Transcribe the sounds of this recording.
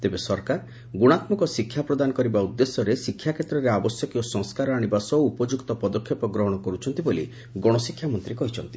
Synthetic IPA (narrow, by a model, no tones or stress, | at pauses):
t̪ebesɔɾkaɾ | ɡuɽ̃at̪mɔkɔsikʰːjapɾɔd̪anɔkɔɾibaud̪ːesɔɾesikʰːjakʰet̪ɾɔɾeabɔsjɔkiosɔ̃ŋskaɾɔaɽ̃ibasɔuːpɔd͡ʒukt̪ɔpɔd̪ɔkʰːjepɔɡɾɔɦɔɽ̃ɔkɔɾut͡ʃʰɔnt̪ibolḭ | ɡɔɽ̃ɔsikʰːjamɔnt̪ɾikɔɦit͡ʃʰɔnt̪i